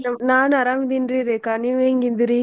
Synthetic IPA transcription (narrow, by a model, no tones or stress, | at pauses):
nɐmnaːnɐɾaːŋd̪indriɾekaniʋeːŋɡind̪ɪɾi